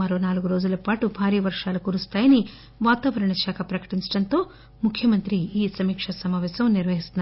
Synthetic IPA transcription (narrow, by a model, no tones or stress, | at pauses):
ɐɾonaːluɡuɾo̞ːd͡ʒulɐpaːʈubʱaːɾiːɐʋɐɾʂaːlukuːɾust̪aːjɐni | ʋaːt̪aːʋɐɾɐɳɐʃaːkʰɐpɾɐkɐ̥ʈiɲt͡ʃɐɽɐnt̪o̞ː | mukʰjɐmɐnt̪ɾiiːsɐmiːkʂɐsɐmaːʋɛːsɐmniɾʋɐɦist̪unː